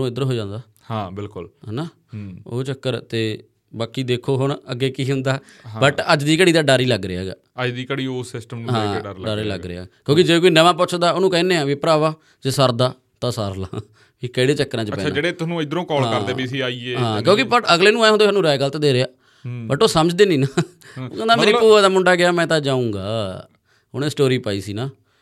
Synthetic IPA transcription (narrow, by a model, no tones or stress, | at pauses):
nũːɪd̪əɾɦoːd͡ʒãːnd̪aː | hãːbɪlkʊlɦnaː | o̰ːt͡ʃəkːəɾt̪eː | baːkiːd̪eːkʰoːɦʊɳəɡːeːkiːɦʊ̃nd̪ãː | bəʈəd͡ʒd̪iːkəɽiːd̪aːɖəɾiːləɡɾeːɡa̰ː | əd͡ʒd̪iːkəɽiːoːsɪsʈəmñːɦãːɖəɾɖəɾiləɡɾḛa̰ːkjõːkɪd͡ʒeeːkoːiːnəʋãːp̬ʊt͡ʃʰd̪aːoːnũːkɛ̃ːnẽːɛ̃ːʋiːpɾaːʋaː | d͡ʒeːsəɾd̪aː | t̪ãːsəɾla̰ː | ikəɪɽeːt͡ʃəkːɾãːd͡ʒt͡ʃpɛːd͡ʒeːɽeːt̪ʊsnũːɪd̪ɾõːkɔːlːəɾd̪eːbiːsiːaːiːeːɦãːkjõːkɪpəʈəɡleːnũːaːeːɦnd̪oaːnũːɾaːeːɡəlt̪ed̪eːɾeaː | bəʈoːsəməd͡ʒd̪eːniːnaː | ad̪aːmeːɾiːpoːʋaːd̪aːmʊɳɖaːɡɪaːmɛ̃ːt̪ãːd͡ʒãːũːɡa̰ː | ʊñẽːsʈoːɾiːpaːḭːsiːnaː